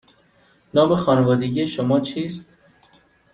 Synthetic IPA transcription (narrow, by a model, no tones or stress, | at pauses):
nɒːmexɒːnevɒːd̪eɡiʃomɒːt͡ʃʰiːst̪̚